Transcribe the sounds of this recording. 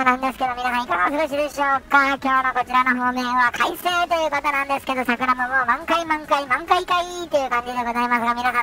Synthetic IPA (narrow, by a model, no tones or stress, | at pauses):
nãnd̪esɨ̥ke̞d̪o̞mʲinasãɰ̃ikaɡaosɨɡoɕ̬id̪e̞ɕo̞ːkakʲo̞ːnoko̞t͡ɕiɾano̞ɦoːmẽːβakʰaise̞ːt̪o̞jɯ̟ːkot̪onãnd̪e̞sɨ̥ke̞d̪o̞sakɯ̟ɾamomoːmãŋkaimãŋkaimãŋkaikait̪ojɯ̟kãɲ̟d͡ʑid̪e̞ɡo̞zaimasɨɡamʲinasã